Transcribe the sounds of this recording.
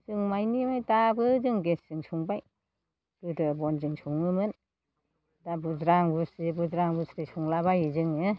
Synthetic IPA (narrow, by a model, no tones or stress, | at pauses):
zɯŋmajnimajtabɯzɯŋɡeszɯŋsʰuŋbaj | ɡ̥ɯdɯbɔnzɯŋsʰuŋɯmɯn | dabuzɾaŋbusibuzɾaŋbusɾesuŋlabajɯzɯŋɯ